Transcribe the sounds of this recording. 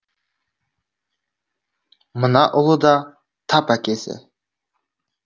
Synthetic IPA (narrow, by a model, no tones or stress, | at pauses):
mənɑʔʊlˠəd̪ɑ | t̪ʰɑpækʲesɪ̰